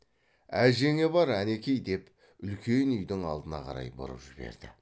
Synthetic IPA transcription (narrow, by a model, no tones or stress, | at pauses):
æʒe̞ŋe̞bɑɾæne̞kʲe̞jd̪e̞p | ʏlkʲʰe̞nʏjd̪ɪŋɑ̰lˠd̪ənɑqʰɑ̰ɾɑ̰jbʊ̰ɾə̰pʒɪbḛɾd̪̥ɪ